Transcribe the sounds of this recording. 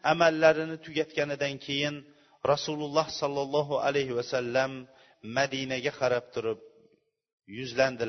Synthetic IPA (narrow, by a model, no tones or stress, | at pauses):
amalːaɾɪnɪt̪ʰʊɡʲat̪kʲanɪd̪ankʲʰejɪn | ɾɑsulˠʊlˠːɑhsɒlˠːɑlˠːɑɦʊʔa̰lajɦɪwasalːamː | ad̪inaɡʲaqʰɑɾɑp̚t̪ʰʊɾʊp̚ | jʊzland̪ɪ